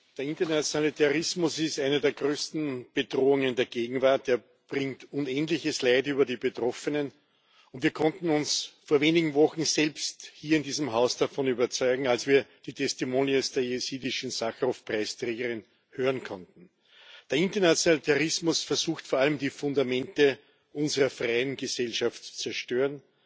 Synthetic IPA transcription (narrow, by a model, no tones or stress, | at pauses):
d̥eːɐɪntɐnat͡sjonalitʰɛʁɪsmʊsɪstaɪnɐdeːɐɡʁøːstn̩b̥edʁoːʊŋə̃ndeːɐɡ̥eːɡŋ̩vaɐt̚d̥eːɐ | b̥ʁɪŋtʊnɛntlɪçəslaɪtyːbɐdiːbetʁɔfənən | ʊntv̥iːɐkʰɔ̃ntn̩ʊnsfoːɐveːnɪɡŋ̩vɔxn̩zɛlpsthiːɐɪndiːzəmɦaʊsd̥afɔnyːbɐt͡sɔʏɡŋ̩alsv̥iːɐd̥iːtʰɛstimoːniəsd̥eːɐjesiːdɪʃn̩saxʁhofpʁaɪstʁeːɡəʁɪn | høːʁənkʰɔ̃ntn̩ | d̥eːɐɪntɐnat͡sjonalitʰaʁɪsmʊsfɛɐzuːxtfoɐaləmdiːfʊ̃ndamɛ̃ntə | ʔʊnzəʁɐfʁaɪənɡəzɛlʃaftt͡su̥t͡sɛɐʃtøːʁən